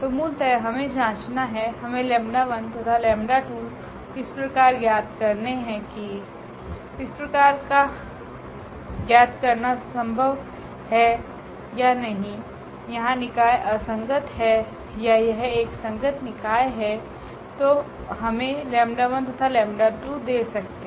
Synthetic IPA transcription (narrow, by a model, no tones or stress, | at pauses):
t̪omuːlt̪əɦɐmẽd͡ʒãːt͡ʃnaɦɛɦɐmẽlɛ̃ːmɖaʋə̃nd̪t̪ɐt̪ʰalɛ̃ːmɖaʈuːl | ɪspɾɐkaːɾjaːd̪̚kɐɾneɦɛ̃ki | ɪspɾɐkaːɾka | jaːd̪kɐɾnasɐ̃mbʱəʋ | hɛ | janɐɦĩ | jɐɦãnɪkaːjeʔɐsə̃ŋɡət̪ɦɛ | jajɐɦeːksɐ̃ŋɡət̪nɪkaːeɦɛ | t̪oː | ɦɐmẽlɛ̃ːmɖaʋə̃nt̪ɐt̪ʰalɛ̃ːmɖaʈuːd̪eːsɐk̚t̪ẽ